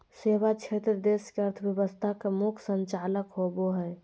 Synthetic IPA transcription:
seβat͡ʃʰet̪ɾəd̪eskeəɾt̪ʰəbjəbəst̪ʰakemukʰsəɲt͡ʃaləkɦoboɦɛj

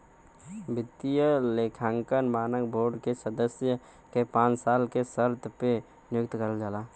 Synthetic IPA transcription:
bɪt̪ːijəleːkʰãːŋkənmaːnəkbʱoːɾɖkesəd̪əsjə | kepãːt͡ʃsaːlkesəɾt̪ʰpe | njʊkt̪kəɾəld͡ʒaːlaː

